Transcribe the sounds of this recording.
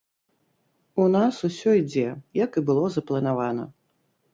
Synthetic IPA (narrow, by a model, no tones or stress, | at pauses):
unasusʲɔid͡zʲɛjɐkibɨlˠɔzɐplˠɐn̪avanɐ